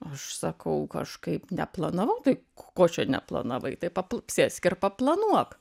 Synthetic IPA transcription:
ɐʃsɐkɐʊkɐ̰ʃkɐɪpnʲɛplˠɐnɐʋɐʊt̪ɐɪ | koːt͡ʃʲɛnʲɛ̰plˠɐ̰nɐʋɐɪt̪ɐɪpɐppʲsʲeːsʲkʲɪrpɐplˠɐnuɔk

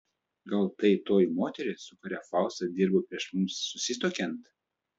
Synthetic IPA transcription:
ɡɐlˠt̪ɐɪt̪oːjmoːt̪ʲɛɾʲɪsʊkʊɾʲæfɑˑʊst̪ɐd̪ʲɪɾbopʲɾʲiɛʃmʊmsːʊsʲɪst̪oːkʲɛnt̪

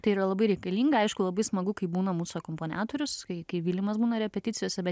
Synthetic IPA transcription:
t̪ɐɪiːɾɐlˠɐbɐɪɾʲɛɪkɐlʲiːŋɡɐɐɪʃkʊlˠɐbɐɪsmɐɡʊkɐɪbuːnɐmuːsokoːmpoːnʲa̰ːt̪oːɾʲʊskɐɪkɐɪʋʲiːlʲɪmɐsbuːnɐɾʲɛpʲɛt̪ʲɪt̪t͡sʲɪjoːsʲɛbʲɛ

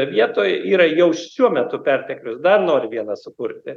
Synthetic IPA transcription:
ʋʲiɛt̪oːjʔiːɾɐjɛʊʃʃʲuɔmʲɛt̪ʊpʲɛrʲt̪ʲɛklʲʊsd̪ɐrnoːɾʲɪʋʲiɛnɐsʊkʊrʲt̪ʲɪ

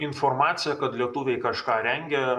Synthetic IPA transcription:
ɪnfoɾmɑːt̪sʲɪjɛkɐt̪lʲiɛt̪ʊʋʲɛɪkɐʃkɑːɾʲɛŋʲɡʲɛ

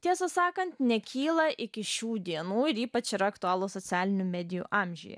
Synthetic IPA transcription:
t̪ʲiɛsɐsɑːkɐnʲt̪nʲɛkʲʰiːlˠɐʔɪkʲɪʃʲuːd̪ʲiɛnuːɪɾiːpɐt͡ʃɪɾɐɐkt̪ʊɑːlˠoːsɔt̪sʲæːlʲɪnʲumʲæːd̪ʲɪjṵːʔɑːmʲʒʲʊ̰jɛ̰

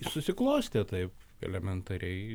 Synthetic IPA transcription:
sʊsʲɪklˠoːsʲt̪ʲet̪ɐɪp | ɛ̰lʲɛmʲɛnt̪ɐɾʲɛɪ

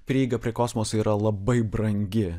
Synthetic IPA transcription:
pʲɾʲiːɪɡɐpʲɾʲiɛkosmoːsiːɾɐlˠɐbɐɪbɾɐŋʲɡʲɪ

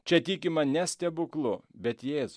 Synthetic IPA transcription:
t͡ʃʲɛt̪ʲiːkʲɪmɐnʲɛsʲt̪ʲɛbʊklˠʊbʲɛt̪jeːzʊ

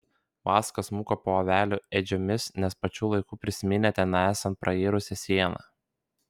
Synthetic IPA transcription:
ʋɑːskɐsmuːkɐpoːɐʋʲæːlʲuːɛd͡ʒʲɔmʲɪsnʲɛspɐt͡ʃʲuːlˠɐɪkuːpʲɾʲɪsʲɪmʲɪnʲɛt̪ʲɛɪnɑæːsɐnt̪̚pɾʔɐeːɾʊsʲɛsʲiɛnɑ̰

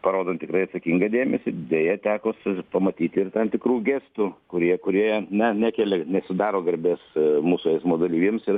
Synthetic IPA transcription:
pɐɾoːd̪ɐnt̪ʲɪkɾɐɪɐt̪sɐkʲiŋɡɐd̪ʲeːmʲɛsʲɪd̪ʲejɛt̪ʲæːkoːspɐmɐt̪ʲiːt̪ʲɪrt̪ɐmt̪ʲɪkɾuːɡʲeːst̪uːkʊɾʲiɛkʊɾʲiɛjɛnʲɛnʲæːkʲeːlʲɛnʲɛsʲɪd̪ɑːɾoːɡɐɾʲbʲeːsmuːsʊɛɪsmoːd̪ɐlʲiːʋʲeːmsɪr

